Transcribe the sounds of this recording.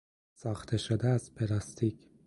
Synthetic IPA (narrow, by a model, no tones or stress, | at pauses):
sɒːxt̪ʰeʃod̪ææzpʰelɑst̪ʰic